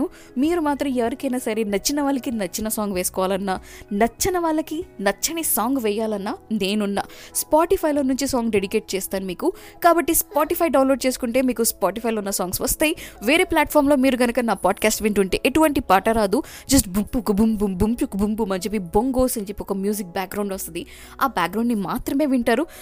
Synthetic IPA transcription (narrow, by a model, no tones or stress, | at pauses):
u | miːɾumaːt̪ɾɐmɛʋɐɾikɐjnaːsɐɾenɐt͡ʃːinɐʋaːɭːɐkinɐt͡ʃːinɐsaːŋɡʋeːsu̥kɔʋaːlɐnːɐnɐt͡ʃːɐnɐʋaːɭːɐkinɐt͡ʃːɐnisaːŋɡʋɛjːaːlɐnːane̞ːnunːa̰spaːʈipʰɐjlo̞ːnuɲt͡ʃisaːŋɡɖe̞ɽikeːʈ̚t͡ʃɛːst̪aːnumiːku | kaːbɐʈːispaːʈipʰɐjɖɐwnloːɖ̚t͡ʃeːsu̥kuɳʈe̞ːmiːkuspaːʈipʰɐjloːunːɐsaːŋɡsʋɐst̪aːjiʋeːɾeːplaːʈ̚pʰaːɾmlo̞ːmiːɾuɡɐnɐkɐnaːpaːɖkaːsʈʋiɳʈuɳʈeːʔeʈuʋɐɳʈipaːʈɐɾaːd̪ud͡ʒɐs̬ʈbumpukbumbumbumpukbumbumɐnt͡ʃep̬ːiboŋɡoːsɐɲd͡ʒepːiɔkɐmjuːd͡ʒik̚baːk̚ɡɾɐwɳɖʋɐst̪ɐnd̪i | aːbaːk̚ɡɾɐwɳɖnimaːt̪ɾɐme̞ːʋiɳʈaːɾu